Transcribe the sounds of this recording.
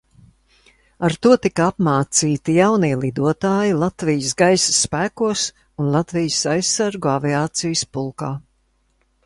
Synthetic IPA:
aɾt̪uɔt̪ikaapmaːt̪siːt̪ijawniɛlˠid̪uɔt̪aːjilˠat̪vijəsɡajsɐ̥sːpæːkuɔs | unlˠat̪vijəsajsːaɾɡuaviaːt̪sijəspulˠkaː

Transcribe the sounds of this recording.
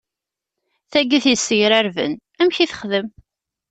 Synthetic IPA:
θæɡiθjəsːəʝɾæɾvə̰n | æmçiθə̥χðəm

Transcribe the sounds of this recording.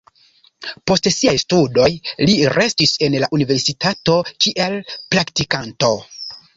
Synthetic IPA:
po̞stsiajstudo̞jliɾʔe̞stise̞nlaʔunive̞ɾsitato̞kiʔe̞lpɾaktikanto̞

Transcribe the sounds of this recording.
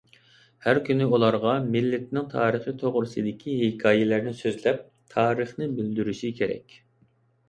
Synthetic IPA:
hæɾkʲynɪulˠɑɾʁɑmɪlːɪt̪nɪŋt̪ʰɑːɾəχɨt̪ʰoʁɾɨsɨd̪ɪkʲʰiɦekʰɑːjɛlæɾnɪsøzlɛp̚ | t̪ʰɑːɾəχnɪbyld̪yɾyʃikʲʰeɾɛ̰kʲ

